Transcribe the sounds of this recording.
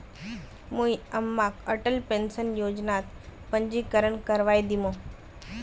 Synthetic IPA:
mũiəmːakəʈəlpẽnsənjoːd͡ʑnat̪ | pə̃ɲd͡ʑiːkəɾəɳkəɾʋajd̪imõ

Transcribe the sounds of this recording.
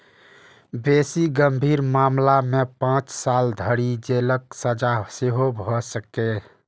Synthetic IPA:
besiɡəmbʱiːɾmaːmlamepãːt͡ʃsaːld̪ʱəɽid͡ʒeləksəd͡ʒaseɦobʱɔsəke

